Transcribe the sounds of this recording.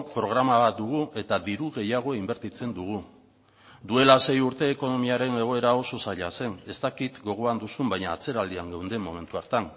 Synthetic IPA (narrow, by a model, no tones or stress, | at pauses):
pɾo̞ɣ̞ɾamaβat̪̚d̪uɣ̞ue̞t̪adiɾuɣe̞jaɣ̞o̞imbe̞ɾt̪it͡se̞nd̪uɣ̞u | d̪ue̞lase̞juɾt̪e̞ːko̞no̞miaɾe̞ne̞ɣ̞o̞e̞ɾao̞so̞saʎase̞ne̞st̪akit̪ɡo̞ɣ̞o̞and̪usumbajɲaːt͡se̞ɾald̪iaŋɡawnd̪e̞mːo̞̰me̞nt̪uaɾt̪an